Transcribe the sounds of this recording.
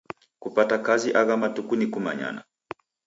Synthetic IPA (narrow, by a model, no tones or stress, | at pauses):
kupatakaziʔaɣamatukunikuma̰ɲa̰na̰